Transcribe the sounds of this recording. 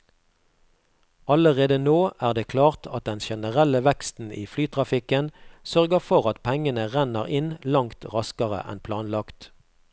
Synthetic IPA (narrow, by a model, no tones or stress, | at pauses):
ɑləʁeːd̪ənoːʔæːʁd̪eːkʰlɑːʁt̪ʰɑt̪̚d̪ɛnʃɛnəʁɛləʋɛkst̪n̩ʔḭːflyːt̪ʰʁɑfɪkənsœʁɡəʁfɔʁɑt̪pʰɛŋənəʁɛnəʁɪnlɑŋt̪ʁɑskəʁə̰ʔɛ̰npʰlɑːnlɑkt̪